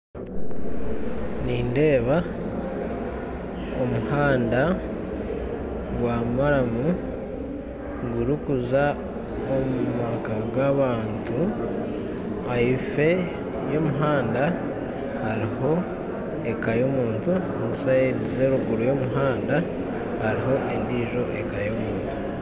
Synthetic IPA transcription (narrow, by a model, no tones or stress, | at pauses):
niːnde̞ːβa | omuhaːnda | ɡwaːmaɾamu | ɡuɾikuza | omumakaɡaβaːntu | aife̞ | jo̞muɦaːnda | haɾiho̞ | ekajo̞muːntu | nisajeɾizeɾuɡuɾujo̞muɦaːnda | haɾiɦo̞ʔendiːʒo̞ʔekajo̞muːntu̥